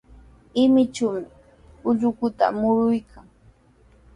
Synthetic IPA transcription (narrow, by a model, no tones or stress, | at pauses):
ɪmɪt͡ʃawmɪ | ʊʎʊkʊt̪a̰mʊɾʊjkʰaŋ